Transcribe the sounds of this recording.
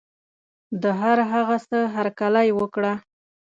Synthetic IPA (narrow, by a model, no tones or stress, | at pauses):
d̪əɦaɾɦaɣasəɦaɾkalajwəkɽa